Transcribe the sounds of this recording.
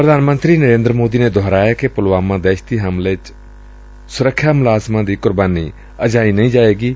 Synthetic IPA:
pɾəd̪ʱaːnmə̃nt̪ɾiːnəɾẽːnd̪ɾəmoːd̪iːneːd̪ʱoːɾaːjaːkepʊlʋaːmãːd̪ɛːʃt̪iːɦamleːt͡ʃ | sʊɾəkʰːjaːmʊlaːzmãːd̪iːkʊɾbaːniː | əd͡ʒaːiːnəĩːd͡ʒaːeːɡiː

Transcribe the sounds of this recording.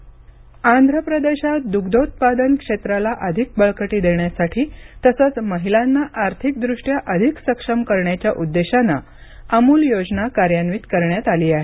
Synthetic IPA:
ãnd̪ʱɾəpɾəd̪eɕat̪̚d̪uɡd̪ot̪̚pad̪ənkʂet̪ɾalaʔəd̪ʱik̚bəɭkəʈiːd̪eɳjasaʈʰiːt̪əsət͡sməɦilanːaʔaɾt̪ʰik̚d̪ɾuʂʈjaʔəd̪ʱiksəkʂəmkəɾɳjat͡ɕjaʔud̪ːeɕanːa | əmuːljod͡znakaɾjanʋiːt̪kəɾɳjat̪aliːaɦe

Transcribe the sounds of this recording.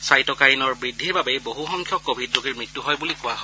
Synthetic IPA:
sajtɔkaɹinɔɹbɹidʱːiɹbabeboɦuxɔŋkʰjɔkːobʱidːoɡiɹmɹitːuɦɔjbulikʊaɦɔj

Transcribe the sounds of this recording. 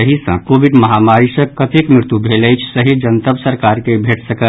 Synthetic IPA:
əɦisə̰̃kobʱiɖməɦamaɾisə̃kkət̪ekmɾɪɾt̪jubʱeləjt͡ʃʰsəɦid͡ʒənt̪əbsəɾkaɾkebʱeʈsəkə

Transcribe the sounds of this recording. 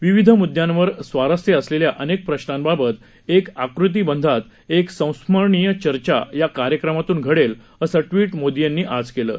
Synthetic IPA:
ʋiʋid̪ʱəmud̪jãnʋəɾsʋaɾəst̪jeəsleljaʔənek̚pɾəɕnanbabət̪ | ekakɾut̪̬iːbənd̪ʱat̪ | eksə̃w̃sməɾɳijət͡ɕəɾt͡ɕa̰jakaɾjəkɾəmat̪uːnɡʱəɽel | əsəʈʋiːʈmod̪ijanːiːʔad͡zkelə̰ː

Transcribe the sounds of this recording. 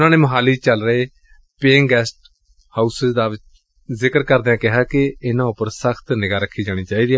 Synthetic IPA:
ʊnãːneːməɦaːliːt͡ʃəlɾəɦeː | peːŋɡɛːsʈ | haːusɪzd̪aːʋɪt͡ʃ | zɪkəɾkəɾd̪eãːkɪɦaːkɪɪnãːʊpəɾsəkʰt̪nɪɡaːɾəkʰːiːd͡ʒaːɽ̃iːt͡ʃaːiːd̪iː

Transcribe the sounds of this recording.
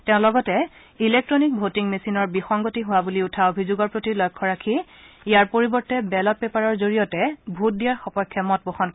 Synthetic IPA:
tɛʊ̃lɔɡɔtɛ | ilek̚tɹonik̚bʱotiŋmesinɔɹbixɔŋɡotiɦʊwabuliutʰaobʱizoɡɔɹpɹotilɔjkʰːɔɹakʰi | ijaɹpoɹibɔɹtɛbɛlɔt̚pɛpaɹɔɹzoɹijɔtɛbʱut̚dijaɹxɔpɔjkʰːɛmɔt̚boxɔnk

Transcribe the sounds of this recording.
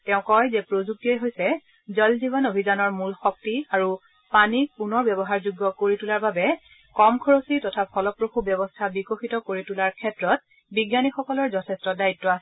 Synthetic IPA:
tɛʊ̃kɔjzɛpɹozuk̚tiɛjɦojsɛ | zɔlzibɔnobʱizanɔɹmulxɔk̚tiaɹu | panipunɔɹbjɛbɔɦaɹzuɡːɔkoɹitulaɹbabɛ | kɔmkʰɔɹositɔtʰapʰɔlɔpɹoxubjɔbɔstʰabikoxitɔkoɹitulaɹkʰɛtɹɔt̚ | biɡjanixɔkɔlɔɹzɔtʰɛstɔdaitːɔasɛ

